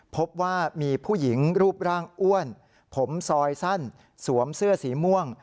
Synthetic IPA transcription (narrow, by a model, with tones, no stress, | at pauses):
pʰo˦˥p̚waː˥˩miː˧pʰuː˥˩ji˩˦ŋɾuː˥˩p̚ɾaː˥˩ŋʔu˥˩ən | pʰo˩˦msɔː˧jsa˥˩n | su˩˦əmsɯ˥˩ɐsiː˩˦mu˥˩əŋ